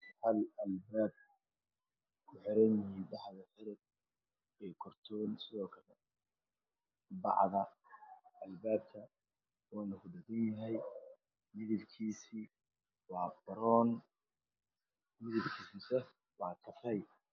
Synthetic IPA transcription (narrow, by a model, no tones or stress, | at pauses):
hɐlɐlbaːb̚ | kʰʊħɪɾɛniɖɑħðɐħɪɾɪd̚ | ɛːkʰɔrt̪ʰɔːnsɪðɔːkʰɐlɛ | bɑ̰ʕðɐ | ɐlbaːb̚t̪ʰɐ | wɑːnɐɣʊdɐɣɐnjɐɦɛj | mɪðɪbkʰiːsiː | wɑːbɐɾɔːn | mɪðɪbkʰiːsisɛ | wɑːt̪ʰɐfɛj